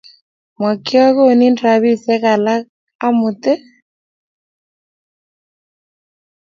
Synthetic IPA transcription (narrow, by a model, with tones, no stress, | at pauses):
mwa˨kɪ˦ɔ˦ɣo˦˨ni˦ndɾa˨βi˦˨sɛ˦ɣa˨la˦ | a˦mʊ˨t̪e˦